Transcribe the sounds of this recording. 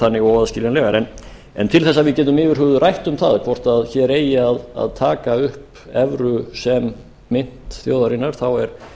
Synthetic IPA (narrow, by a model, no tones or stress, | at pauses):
anːɪɣɔaðscɪːljanlœːɣaɾɛn | ɛ̰nt̪ʰɪlθɛsːaðvɪðcɛːt̪̬ʏmɪːvɪɾ̥ɦʏɣðʏrajht̪ʏmθaðkʰvɔr̥t̪aðçɛɾeːjɪaða̰ðt̪ʰaːkaʏhp | ɛvɾʏsɛmː | ɪn̥t̪θjowðaɾinːaɾ̥θawɛɾ̥